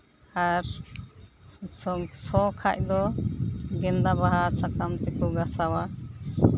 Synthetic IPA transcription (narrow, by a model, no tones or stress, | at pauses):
aɾ | sɔkʰac̚d̪ɔ | ɡɛnd̪abaɦasakamt̪ɛkɔɡasawa